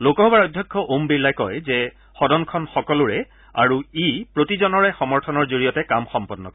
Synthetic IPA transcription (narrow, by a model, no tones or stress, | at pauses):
lokɔɦɔbaɹɔjdʱjɔkʰːɔʔombilːajkɔjzɛ | xɔdɔnkʰɔnxɔkɔlʊɹɛ | a̰ɹuipɹotizɔnɔɹɛxɔmɔɹtʰɔnɔɹzoɹijɔtɛkamxɔmpɔnːɔ̰kɔ